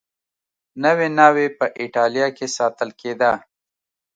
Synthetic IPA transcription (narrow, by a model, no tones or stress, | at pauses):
nəwenɑːwepəʔɪʈɑljɑkesɑt̪əlked̪a